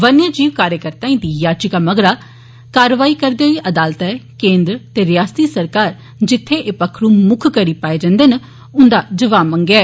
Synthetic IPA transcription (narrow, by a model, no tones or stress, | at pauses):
ʋənjaːd͡ʒiːʋkaːɾjəkəɾt̪ãːĩːd̪iːjaːt͡ʃɪkaːməɡɾaː | kaːɾəʋaːiːkəɾd̪eːɦoiːʔəd̪aːlt̪ɛːkẽːnd̪ɾt̪eːɾɪjaːst̪iːsəɾkaːɾ | d͡ʒɪt̪ʰːeːʔepəkʰɾũːmʊkʰkəɾiːpaːeːd͡ʒãnd̪eːnə | ʊnd̪aːd͡ʒəʋaːmə̃ŋɡɛː